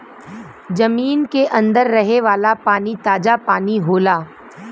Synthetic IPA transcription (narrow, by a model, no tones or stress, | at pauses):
d͡ʒɐmiːnkeʔɐ̃nd̪əɾːɐɦeʋaːlapaːnit̪aːd͡ʒapaːniɦoːlaː